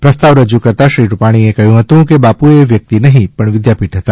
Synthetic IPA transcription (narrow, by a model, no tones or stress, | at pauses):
pɾəst̪aʋɾəd͡ʒukəɾt̪aʃɾiɾupaɽ̃iekəɦjũɦət̪ũkebapueʋjək̚t̪inəɦĩpəɳʋɪd̪japiʈɦət̪a